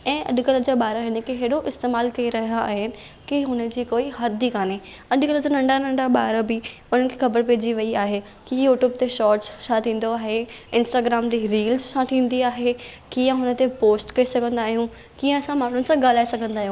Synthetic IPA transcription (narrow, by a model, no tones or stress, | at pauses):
ɛ̃ːʔɐ̰ɗkɐləd͡ʑaɓaːɾəɦɪnkeɦeːɽoʔɪst̪eːmaːlkɐiɾɐɦijaaːɦɪnɪ̆ | kiɦʊnə̆d͡ʑiːkoːiɦɐd̪ʱikaːne | ɐɗkɐləd͡ʑaːnɐ̃ɳɖanɐ̃ɳɖaɓaːɾəbiʊn̤ənɪkʰixɐbəɾpɛːd͡ʑiʋɐiaːɦe | kijuːʈjuːb̚t̪eʃɔːɾʈssʰãt̪ʰĩːn̆d̪oaːɦeɪ̃nsʈaːɡɾaːmd͡ʑiɾiːlzt͡ʃãt̪ʰĩːn̆d̪iaːɦekijə̃ɦʊnə̆t̪epoːsʈkɐisɐɡʱə̃nd̪aːɦijũ | kiːə̃ɐsãmaːɳ̤ʊnɪ̆sãɡaːl̤aːesɐɡʱə̃nd̪aːɦiũː